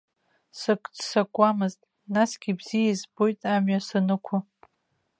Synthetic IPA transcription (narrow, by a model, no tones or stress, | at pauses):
sɨkʷʼdsakʷʼamɨztʼ | nasɡʲibz̥ijaizbo̞jtʼamɥasɨnɨkʷʰʊ